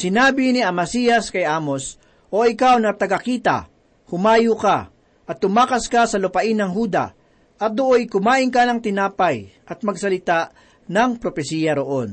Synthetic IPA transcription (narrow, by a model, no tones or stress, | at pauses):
sɪnaːbɪniʔɐmɐsijɐskɐjʔaːmo̞s | ʔo̞ɪkawnɐt̪ɐɡɐkiːt̪a̰ | hʊmaːjʊka | ʔɐt̪ːʊmaːkɐskasɐlʊpɐʔɪnːɐŋɦuːd̪a̰ | ʔɐt̪̚d̪oʔojkʊmaːʔɪŋkanɐŋt̪ɪnaːpɐjʔɐt̪̚mɐɡsɐlɪt̪aʔ | nɐŋpɾopɛsiːjɐɾoʔo̞n